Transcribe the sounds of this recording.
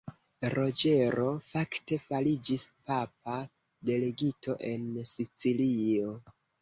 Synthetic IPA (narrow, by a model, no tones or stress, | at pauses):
ɾo̞d͡ʒe̞ɾo̞fakte̞falid͡ʒispap̚a | de̞leɡitʰo̞ʔe̞nsit͡silio̞